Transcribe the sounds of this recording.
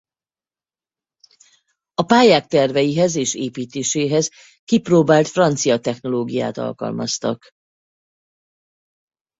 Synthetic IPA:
ɒpaːjaːk̚t̪ɛrvɛjiɦɛzeːʃeːpiːt̪eːʃeːɦɛz | kiproːbaːlt̪frɒnt̪sijɒt̪ɛxno̞loːɡija̰ːt̪ɒ̰lkɒ̰lmɒ̰st̪ɒ̰k

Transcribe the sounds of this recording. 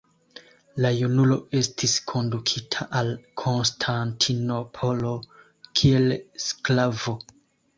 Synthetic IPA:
lajunulo̞e̞stʰiskʰo̞ndukʰitʰaʔalkʰo̞nstʰantʰino̞pʰo̞lo̞ | kʰie̞lsklavo

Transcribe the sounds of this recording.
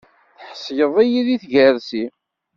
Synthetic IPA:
θħəsjəðˤijiðiθʝəɾsi

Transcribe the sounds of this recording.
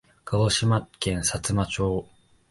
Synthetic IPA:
kaɡoɕimakẽ̞ɰ̃sat͡sɨmat͡ɕo̞ː

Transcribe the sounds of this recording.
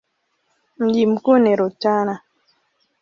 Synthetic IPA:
m̩ɟim̩koneɾot͡ʃana

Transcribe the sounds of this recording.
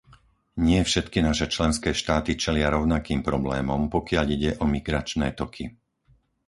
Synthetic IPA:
ɲɪɛfʃɛt̪kinaʃɛt͡ʃlɛnskɛːʃt̪aːt̪it͡ʃɛlɪaɾɔʊnakiːmpɾɔblɛːmɔmpɔkɪaʎiɟɛʔɔmiɡɾat͡ʃnɛːt̪ɔkʰi

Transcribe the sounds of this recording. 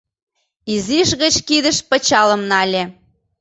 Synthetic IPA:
iziʃɣə̆t͡ɕkid̪ə̆ʃpə̆t͡ɕɑlə̆mnɑlʲe

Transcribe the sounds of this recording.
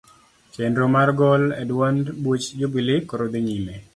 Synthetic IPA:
t͡ʃendɾomarɡɔlɛdwandbut͡ʃd͡ʒobilɪkːɔɾod̪ɪɲime

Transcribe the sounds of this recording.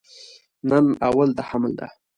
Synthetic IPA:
nənawald̪əhamld̪a̰

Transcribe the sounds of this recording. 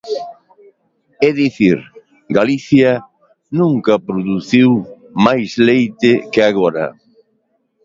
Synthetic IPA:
ɛðiθiɾ | ɡaliθjɐ | nũŋkɐpɾoðuθiw | majzlejt̪ɪkɪaɣoɾɐ̰

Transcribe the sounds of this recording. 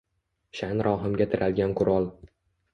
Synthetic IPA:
ʃanɾʔɒːɦɨmɡʲat̪ʰɪɾʔalɡʲanqʰʊɾɒlˠ

